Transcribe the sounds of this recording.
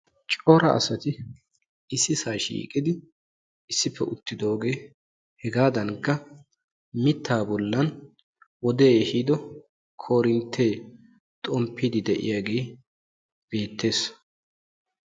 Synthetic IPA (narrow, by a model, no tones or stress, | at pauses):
t͡ʃʼoːɾɐ̰ʔɐ̰sɐt̪ɪ | ɪsːɪsaːʃḭːkʼɪd̪ɪ | ɪsːɪpːɛʔʊt̪ːɪd̪o̞ːɡe̞ː | hɛɡaːd̪ɐŋkːɐ | mɪt̪ʰːaːbɔlːɐn | wɔd̪eːhiːd̪ɔ | kʰo̞ːɾɪnt̪ʰːeː | t̪ʼɔmpʰːiːd̪ɪd̪ɛʔɪ̰jaːɡeː | b̥e̞ːt̪ʰːe̞ːs